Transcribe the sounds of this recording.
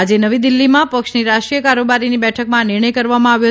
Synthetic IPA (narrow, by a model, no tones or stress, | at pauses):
ad͡ʒenəʋid̪ɪlːimãpəkʃniɾaʃʈɾijəkaɾobaɾinibɛʈʰəkmãnɪɾɳ̃əjkəɾʋamãaʋjo